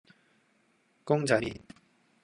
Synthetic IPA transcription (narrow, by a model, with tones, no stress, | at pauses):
ko˥ŋd͡ʑa˨ɾi˨